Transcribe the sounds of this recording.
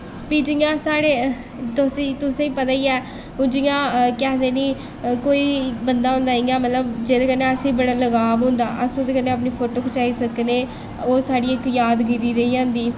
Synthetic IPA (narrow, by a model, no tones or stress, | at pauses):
piːd͡ʒɪjãːsaːɽeː | t̪ʊsĩːt̪ʊsẽːĩːpət̪aːiːɛː | ʊd͡ʒɪjãːkɛːd̪eːniː | koːiːbənd̪aːɦõːnd̪aːiːjãːmət̪ləbd͡ʒeːd̪eːkəneːəsĩːbəɽaːləɡaːbɦʊ̃ːnd̪aːʔəsod̪eːkəneːaːpniːpʰoːʈoːkʊt͡ʃaːiːsəkneː | oːsaːɖiːɪkjaːd̪ɡɪɾiːɾəiːãːnd̪iː